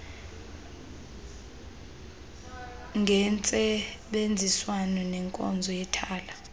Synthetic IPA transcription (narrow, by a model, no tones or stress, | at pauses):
ŋʱɛnt͡sʼɛɓend͡zʱiswanɔnɛŋkʼɔ̰nd͡zʱɔjɛtʰaːla